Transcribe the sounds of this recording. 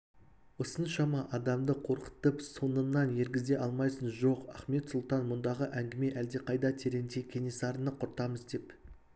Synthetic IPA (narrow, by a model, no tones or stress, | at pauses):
wosənʃɑmɑʔɑd̪ɑmd̪əqʰo̞ɾqə̥t̪əpso̞nənːɑnje̞ɾɡʲɪzd̪e̞ʔɑlˠmɑjsənʒo̞qɑ̰χme̞t̪sʊlˠt̪ɑnmʊnd̪ɑʁəʔæŋɡʲɪme̞ʔæld̪e̞qʰɑjd̪ɑt̪ʲʰeɾe̞nd̪ekʲʰe̞nesɑɾənəqʰʊɾt̪ɑməzd̪e̞p